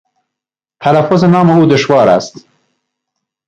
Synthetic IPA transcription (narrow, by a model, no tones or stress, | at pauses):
t̪ʰælafːʊzenɑːmeuːd̪ʊʃvɑːɾæ̰st̪